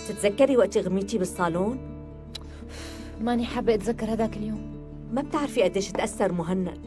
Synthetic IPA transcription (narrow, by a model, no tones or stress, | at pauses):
t̪ɪt̪zakːaɾiwaʔt̪iɣamːiːt̪ibɪsˤːɑːloːn | maʔniħabːʔat̪zakːaɾhad̪aːkɪljoːm | mab̚t̪ɪʕɾfiʔad̪eːʃɪt̪ʔasːɑɾˤmʊɦɪnːa̰